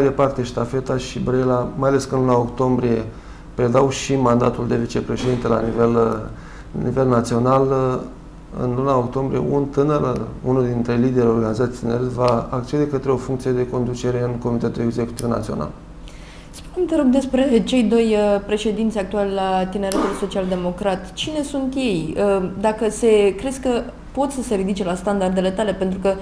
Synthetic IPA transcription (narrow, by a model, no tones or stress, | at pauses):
majd̪e̞part̪e̞ʃt̪afe̞t̪aʃibɾelamajale̞skənlunaokt̪o̞mbɾije̞ | pɾe̞d̪awʃimand̪a̰t̪uld̪e̞vit͡ʃe̞pɾeʃe̞d̪int̪ela̰nivel | nive̞lnat̪sio̞nal | ɨ̰nlunaokt̪o̞mbɾije̞̰ʔunt̪ɨnərunuld̪int̪ɾe̞lid̪e̞ɾʲeo̞rɡanizat̪sʲt̪ineɾet̪vaːk̚t͡ʃe̞d̪ekət̪ɾeo̞fuŋkt̪sijed̪e̞ko̞nd̪ut͡ʃe̞ɾe̞ɨnko̞mit̪e̞t̪uleɡze̞kut̪ivna̰t̪sio̞̰na̰l | spunemt̪eɾo̞ɡd̪e̞spɾe̞t͡ʃe̞jd̪o̞jəpɾe̞ʃe̞d̪int̪sʲak̚t̪ualelat̪ineɾet̪ulso̞t͡ʃiald̪e̞mo̞kɾat̪t͡ʃine̞sunt̪je̞jd̪akəse̞kɾe̞skə | po̞t̪səse̞ɾid̪it͡ʃe̞last̪and̪ard̪e̞le̞t̪ale̞pe̞nt̪ɾukə